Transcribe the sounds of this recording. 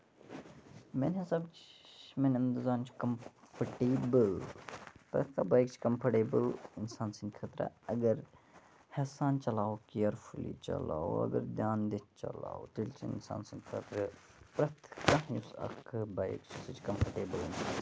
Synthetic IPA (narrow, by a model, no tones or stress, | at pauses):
menɦɐsɐbt͡ʃmenɐnd̪uzaːnt͡ʃʰi̥kɐmpʰɐʈiːbəl | pɾɐ̰t̪ʰkabajkt͡ʃʰkɐmpʰɐʈeːbəlɪnsaːnsind̪kʰɐt̪ɾɐ̰ɐɡɐɾ | hesaːnt͡ʃɐlaːokijɐɾfʰulḭt͡ʃɐ̰la̰ːo̰ɐ̰ɡɐ̰ɾd̪jaːnd̪it̪̚ʰt͡ʃɐ̰la̰ːot̪ilt͡ʃʰiḭnsa̰ːnsind̪kʰɐt̪ɾɐ | pɾɐt̪ʰkajusɐ̰kbajkt͡ʃʰusɨt͡ʃʰkɐmpʰɐʈeːbəlinsa̰ːn